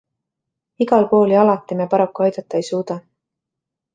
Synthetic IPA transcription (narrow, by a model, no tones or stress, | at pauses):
iɡɑlko̞ːliɑlɑt̪ːˑimepɑɾɑkːˑuɑjd̪̥ɑt̪ːˑɑejsuːd̪̥ɑ